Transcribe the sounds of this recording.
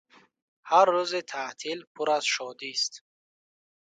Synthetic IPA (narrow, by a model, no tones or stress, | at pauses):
haɾːuzit̪ʰat̪ʰilpʰuɾaz̥ʃɔd̪ist̪